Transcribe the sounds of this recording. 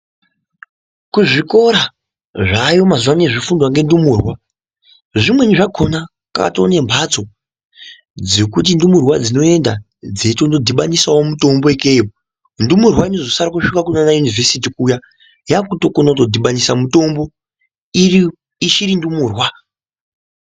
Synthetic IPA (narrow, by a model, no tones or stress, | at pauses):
kuʐiko̞ɾa | ʐajo̞mazuwane̞ʐifundwaŋɡe̞ndumuːrwa | ʐimwe̞niʐaɡʰʱo̞na | kaka̰tone̞mbʱat͡so̞ | d͡ze̞kut̬indumurwad͡zino̞e̞nda | d͡ze̞to̞ndodʱiɓanisawomuto̞mboekeo | ndumurwaino̞zo̞saɾakuʃukakunanajunivesit̬ikuːja | jaːkuto̞konauto̞dʱiɓanisamuto̞mbo̞ | iri | iʃiɾindumuːrwa